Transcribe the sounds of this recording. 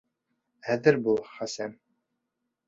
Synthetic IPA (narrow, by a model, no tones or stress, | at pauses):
æðɘɾbulˠχɑsæm